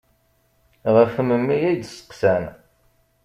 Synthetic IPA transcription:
ʁəfməmːijid̪sə̥qsæn

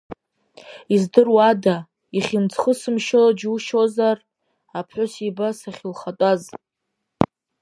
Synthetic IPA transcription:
izdɨrwada | iχʲint͡sʰχəsɨmʃɪlad͡ʒuʃozar | apʰħʷʊsibasaχʲɪlχatʼaz

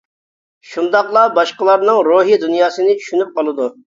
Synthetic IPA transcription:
ʃund̪ɑqlˠɑbɑʃqəlˠɑɾnɨŋɾoɦid̪unjɑːsɨnɪt͡ʃʰy̥ʃynyp̚qɑlˠɨd̪u

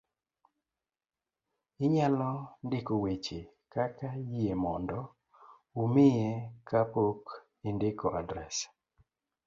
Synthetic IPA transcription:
ɪɲalɔndɪkowet͡ʃe | kakajemɔndɔ | umɪjekapok | indɪkoʔadɾɛs

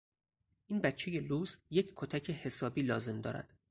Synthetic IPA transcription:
ʔiːnbæt̪t͡ʃʰe̞je̞luːsjecʰkʰot̪ʰæcʰe̞he̞sɒːbiːlɒːze̞md̪ɒ̰ːɾæ̰d̪̥

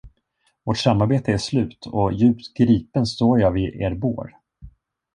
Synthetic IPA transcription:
vɔʈʂamːaɾbeːt̪ʰəæʂlʉ̟ːt̪ʰɔjʉ̟ːpt̪ɡɾiːpənst̪oːɾjɑvɪʔḛːɾbo̰ːɾ

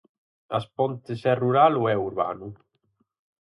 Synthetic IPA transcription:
a̰spɔnt̪esɛruɾaluɛuɾβa̰nu

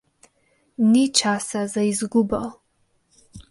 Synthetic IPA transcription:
nit͡ʃʰaːsazajzɡʷʊbal

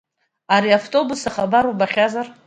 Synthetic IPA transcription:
aɾiaftʼo̞busaχabaɾubaχʲazar

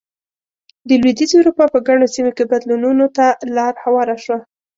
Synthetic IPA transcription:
d̪əlwed̪izwuɾupɑpəɡaɳ̃osimokebad̪lununot̪alɑɾhawɑɾaʃwa

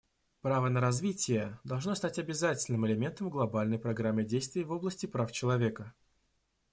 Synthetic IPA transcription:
pɾavənəɾɐzvʲitʲɪjəd̪ɐlˠʐno̞st̪atʲɐbʲɪzatʲɪlʲnɨmɪlʲɪmʲe̞nt̪əmɡlˠɐbalʲnəjpɾɐɡɾamʲːɪdʲejst̪vʲɪjːvo̞blˠəsʲtʲɪpɾaft͡ɕɪlˠɐvʲe̞kə

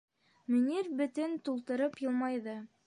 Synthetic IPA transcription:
mɵ̆nʲiɾbɵ̆t̪ɘnt̪ulˠt̪ɤ̆ɾɤpjɤ̆lˠmɑjðɤ

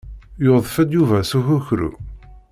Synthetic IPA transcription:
joðˤfæd̪juvæsuçuçɾṵ

